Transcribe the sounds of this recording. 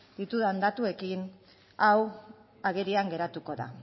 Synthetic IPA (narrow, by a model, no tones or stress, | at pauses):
d̪̥it̪uðand̪at̪ue̞kin | aw | aɣeɾiaŋɡe̞ɾat̪uko̞ða̰